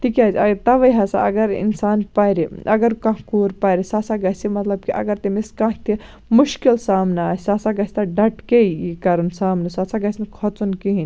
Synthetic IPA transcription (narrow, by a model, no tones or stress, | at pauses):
t̪ikʲaːzɐɡt̪ɐʋɐjɦɐsa̰ɐ̰ɡɐɾḭnsaːnpajɾiʔɐɡɐɾkãkuːɾpɐjɾisaːsaɡɐsimɐt̪lɐb̚kiʔɐ̰ɡɐɾt̪emiskãːɦt̪i | muʃkilsaːmnɐaːsʲsasaɡɐsʲt̪ɐɖɐʈkejikɐɾunsaːmnɐsasaɡɐsʲnɐkʰɔt͡sunkiɦĩn